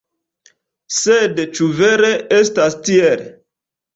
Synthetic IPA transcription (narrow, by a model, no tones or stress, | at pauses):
sedt͡ʃuveɾeestastiel